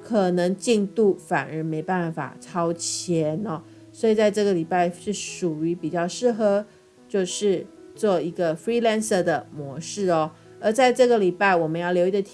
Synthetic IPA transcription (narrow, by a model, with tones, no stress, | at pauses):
kʰɤ˨˩nɤ˧˥ŋt͡ɕi˥˧ŋt̪u˥˩fa̰˨˩nə˧˥me˧˥ɪpa˥˩nfa̰˨˩ʈ͡ʂʰɑ˥ʊt͡ɕʰjɛ˧˥nɔ˧ | swɔ˧˥i˨˩t͡sa˥˧ɪʈ͡ʂɤ˥˩ɡə˩li˨˩pa˥˩ɪʂɻ̩˥˩ʂu˨˩y˧˥pi˨˩t͡ɕjɑ˥˧ʊʂɻ̩˥˩xɤ˧˥˦ | t͡ɕjo˥˧ʊʂɻ̩˥˧ | t͡swɔ˥˩i˧˥ɡə˧fɹi˥la˥˧nsə˧˩d̪ə˩mwɔ˧˥ʂɻ̩˥˩ɔ˨˩ | ə˧˥t͡sa˥˧ɪʈ͡ʂɤ˥˩ɡə˩li˨˩pa˥˩ɪwɔ˨˩mə˨˦njɑ˥˩ʊljo˧ʊi˧˥ɡ̪ə˧t̪ʰ